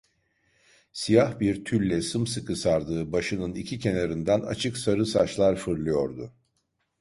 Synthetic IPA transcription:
sijahbiɾt̪ʰylʲlʲɛsɯmsɯkʰɯsaɾd̪ɯːbaʃɯnɯnicʰicʰe̞naɾɯnd̪æna̰t͡ʃʰɯksaɾɯsat͡ʃlˠaɾfɯɾlˠɯjo̞ɾd̪ʊ

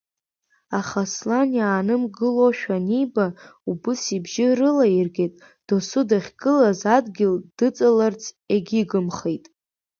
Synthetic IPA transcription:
aχaslanjaːnɨmɡɨloʃᶣanijbaubɨsibʒɪrɨlairɡʲetʼ | d̥osʊdaχʲɡɨlazadɡʲɪld̥ɨt͡sʼalart͡sʰʼ | eɡʲiɡɨmχejtʼ

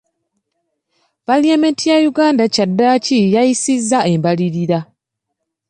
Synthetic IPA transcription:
v̥aliamentijajuɡaːndacadːaːcijaisizːae̞mbaliɾiɾa

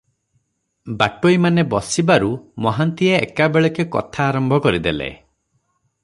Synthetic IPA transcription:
baʈoimanebɔsibaɾumɔɦant̪iḛːkabeɭekekɔ̰t̪ʰaːɾɔmbʱɔkɔɾid̪elḛ

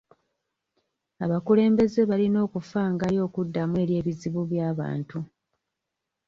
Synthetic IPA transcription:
aβakule̞ːmbe̞ze̞βalino̞ːkufaːŋɡaɾjo̞ːkudːamuwe̞ɾje̞ːβiziβuβjaːβa̰ːntu

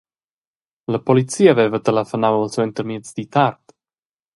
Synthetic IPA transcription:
ləpɔlit̪t͡siːaːvɛvət̪əlafənawəlˠswɛnt̪əɾmit̪t͡sd̪it̪aɾt̪

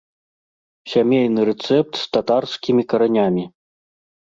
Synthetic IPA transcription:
sʲamʲejnɨɾɛt̪sɛp̚t̪st̪at̪arskʲimʲikɐɾanʲamʲi

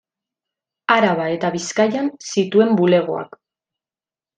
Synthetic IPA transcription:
aɾaβae̞t̪aβiskajansit̪ue̞mbule̞ɣ̞o̞a̰k

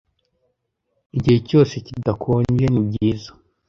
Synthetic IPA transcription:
iɟihe̞co̞ːse̞cidakʰoːɲɟe̞nib̚ɟiːzḁ

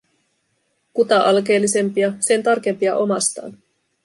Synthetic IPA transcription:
kut̪ɑʔɑlk̬e̞ːlːise̞mpiɑse̞nt̪ɑrk̟e̞mpiɑ̰ʔo̞mɑst̪ɑ̰ːn

